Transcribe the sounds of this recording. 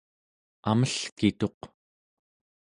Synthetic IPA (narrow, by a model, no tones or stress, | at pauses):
aməɬkit̪o̞q